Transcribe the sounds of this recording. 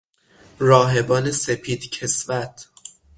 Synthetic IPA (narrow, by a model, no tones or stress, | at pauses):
ɾɒːɦe̞bɒːnesepʰiːd̪cʰe̞svæt̪ʰ